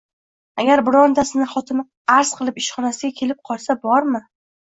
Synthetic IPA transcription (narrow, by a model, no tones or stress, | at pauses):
aɡʲaɾbɪɾɒnd̪asɪnɪχɒt̪ʰɪmɪ | aɾz̥qʰɨlˠɪpɪʃχɒnasɪɡʲakʲʰe̞lɪp̚qʰɒlˠsabɒɾmɪ